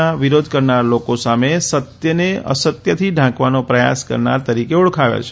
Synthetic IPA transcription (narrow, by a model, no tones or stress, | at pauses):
aʋiɾod̪ʱkəɾnaɾlokosamesət̪jəneə̰sət̪jət̪ʰiɖʱãkʋanopɾəja̰skə̰ɾna̰ɾt̪əɾikeuɽkʰaʋja̰t͡ʃʰe̥